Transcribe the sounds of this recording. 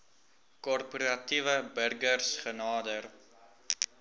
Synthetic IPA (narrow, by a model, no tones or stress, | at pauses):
kɔrpuɾɐtivəbərɡərsχənɑːdər